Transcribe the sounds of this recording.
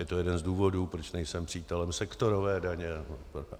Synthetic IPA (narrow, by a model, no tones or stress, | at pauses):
jɛt̪o̞jɛdɛnzduːvo̞duːpɾot͡ʃnɛjsɛmpr̝̥iːt̪ɛlɛmsɛkt̪o̞ɾovɛːdaɲɛp